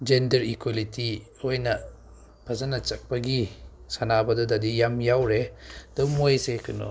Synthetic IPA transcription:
d͡ʒendɐɾikwaliti | ojnɐ | pʰɐzanɐt͡ʃɐk̚pɐɡisanabɐdɔdadijamjawɾed̥ɔmojsekʰɯnɔ̰

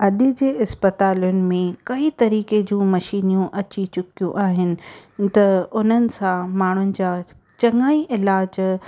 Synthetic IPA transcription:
ɐɗ̪ɪ̆d͡ʑeːɪspət̪aːljʊnɪ̆mẽkɐit̪ɐɾiːked͡ʑũːmɐʃiːnijũʔɐt͡ɕit͡ɕʊkijũʔaːɦɪnɪ̆t̪ɐʊn̤ənɪ̆sãmaːɳ̤ʊnɪ̆d͡ʑaː | t͡ɕɐŋaːiʔɪlaːd͡ʑ

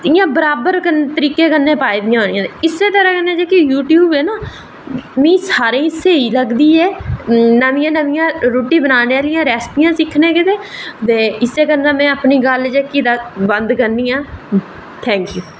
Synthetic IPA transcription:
ɪjãːbəɾaːbəɾkənt̪əɾiːkeːkənːẽːpaːid̪ɪjãːɦoːnjãːt̪eɪsːeːt̪əɾãːkənːẽːd͡ʒeːkijuːʈjuːbeːnaː | mĩːsaːɾẽːseːiːləɡd̪iːɛːnəmɪjãːnəʋɪjãːɾoːʈiːbənaːneːalɪjãːɾɛːspijãːsɪkʰnẽːkɪt̪eːt̪eːɪsːeːkənːãːmɛ̃ːapniːɡəld͡ʒeːkid̪aːbənd̪kənːiːãː | t̪ʰɛ̃ːŋkjuː

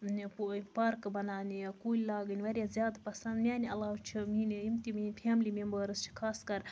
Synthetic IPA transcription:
ppɐɾkbɐnaːnʲijakuːlʲlaːɡɨnʲiʋɐɾʲjazʲjaːd̪pɐsɐnd̪mʲjaːnʲiɐlaːwt͡ʃʰiminiimt̪iminʲpʰaːmlimembəɾɨst͡ʃʰi̥kʰaːskɐɾ

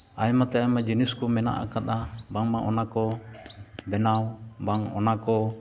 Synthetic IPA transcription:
aimat̪ɛaimad͡ʒɛniskumɛna̰ʔa̰kat̪abaŋmaʔɔnakɔ | bɛna | baŋɔ̰nakɔ

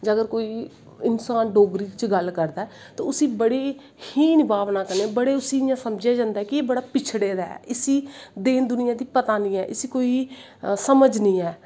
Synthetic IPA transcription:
d͡ʒəɡəɾkoːiː | ɪnsaːnɖoːɡɾiːt͡ʃɡəlkəɾd̪aːɦɛ | t̪õːʊsĩːbəɽeː | hiːnɪbaːʋnaːkəɾneːbəɽeːʊsiːɪjãːsəmd͡ʒaːd͡ʒãːnd̪aɦɛːkieːbəɽaːpɪt͡ʃʰɽeːd̪aːɛ̰ːɪsiːd̪eːnd̪ʊnɪjãːd̪iːpət̪aːnĩːɛ̰ːʔɪsiːkoːi | səməd͡ʒnĩːɛː

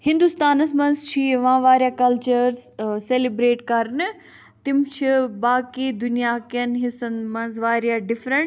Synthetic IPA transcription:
hɪ̃nd̪ust̪aːnɐsmɐ̃nzt͡ʃʰiʋãːʋaːɾjakɐlt͡ʃəɾzseːlibɾeːʈkɐɾnɨ | t̪ɪmt͡ʃʰibaːkid̪ʊnijaːkijɐnɦɪsɐnmɐ̃nzʋaːɾijaɖɪfɾəɳ

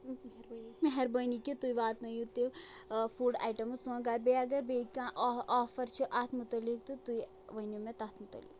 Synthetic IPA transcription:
meɦeɾbənikit̪ujʋaːt̪nɐjut̪efuːɖa̰ːjʈɐmsũɡaːɾbeɐɡɐɾbekãːʔɔːfɐɾt͡ʃʰuʔat̪ʰmut̪ɐlːik̚t̪ɨt̪uj | ʋɐnumẽt̪ɐt̪ʰmut̪ɐ̰lḭk

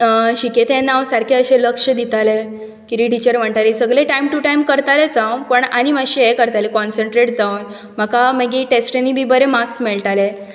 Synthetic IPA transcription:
ɕiket̪ẽnaʋsaɾkʰeəɕẽləkʂəd̪it̪ale | kiɾiʈit͡ɕəɾm̤əɳt̪alisəɡɭeʈajmʈuʈajmkəɾt̪alet͡sãwpəɳañiməɕeekəɾt̪alekɔnsəɳʈɾeʈ̚d͡zaun | m̤əkaməɡiʈesʈenibʱiːbəɾemaksmɛɭt̪ale

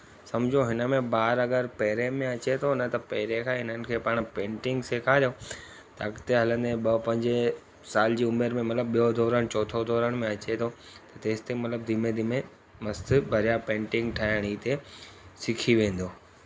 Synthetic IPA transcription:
sɐmd͡ʑʱoɦɪnəmẽbaːɾɐɡəɾpɐɦɾemẽɐt͡ɕet̪ʰonɐt̪ɐpɐɦɪɾekʰãːɦɪn̤ənɪ̆kʰeːpaːɽ̃pẽːɳʈɪ̃ŋɡsekʰaɾjo | t̪ɐɐkt̪eɦɐlə̃nd̪eɓɐpɐ̃ɲd͡ʑe | saːld͡ʑiːʊmeɾmẽmɐt̪ləb̚ɓijod̪ʱoːɾəɽ̃t͡ɕɔːt̪ʰod̪ʱɔːɾəɽ̃mẽɐt͡ɕet̪ʰo | t̪ɐt̪eːst̪emɐt̪ləb̚d̪ʱimed̪ʱiːmẽ | mɐst̪ʰɪbʱɐɾijapẽːɳʈɪ̃ŋɡʈʰaːɪɽ̃iːt̪esɪkʰiʋẽːn̆d̪oː

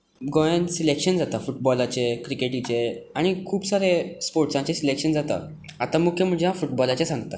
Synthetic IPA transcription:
ɡɔjãnsilekɕənd͡zat̪afuʈ̚bɔlat͡ɕekɾikeʈit͡ɕeaɽ̃ikʰuːbsaɾespoɾʈsãt͡ɕesilekʂənd͡zat̪a̰ | at̪amukʰjəm̤əd͡ʑeɦãfuʈ̚bɔlat͡ɕẽsãŋɡt̪a

